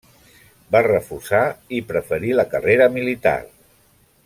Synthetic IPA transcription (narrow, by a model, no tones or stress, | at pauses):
barəfursaipɾəfəɾiləkəreɾəmilit̪a̰r